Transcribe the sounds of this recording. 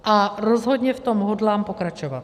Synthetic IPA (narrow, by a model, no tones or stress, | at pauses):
ʔaɾozɦod̪ɲɛft̪omɦodlaːmpokɾat͡ʃovat̪